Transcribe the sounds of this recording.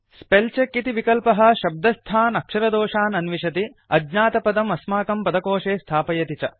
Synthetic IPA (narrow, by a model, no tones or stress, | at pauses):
spelt͡ʃekːit̪iʋikɐlpɐɦɐ̆ʃɐb̚d̪ɐst̪ʰaːnɐkʂɐɾɐd̪ɔːʂaːnɐnʋiʃɐt̪i | ɐdnaːt̪ɐpɐd̪ɐmɐsmaːkɐmpɐd̪ɐkoːʂeːst̪ʰaːpɐjɐt̪it͡ʃɐ